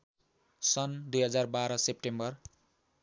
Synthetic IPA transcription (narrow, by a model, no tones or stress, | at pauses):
sʌnd̪ujɦʌd͡zarbaɾʌsep̚ʈembʌr